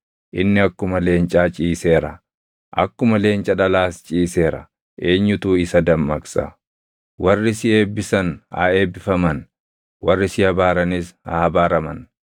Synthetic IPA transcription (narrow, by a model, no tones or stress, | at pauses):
ʔɪnːɪɐkːʊmɐle̞ːnt͡ʃʼaːt͡ʃʼiːse̞ːɾɐ̰ | ʔɐ̰kːʊmɐle̞ːnt͡ʃʼɐᶑɐlaːst͡ʃʼiːse̞ːɾɐ̰ | ʔe̞ːɲːʊt̪uːɪsɐd̪ɐmːɐksɐ̰ | wɐrːɪsɪe̞ːbːɪsɐnha̰eːbːɪfɐmɐn | wɐrːɪsɪhɐbaːɾɐnɪsha̰hɐbaːɾɐmɐn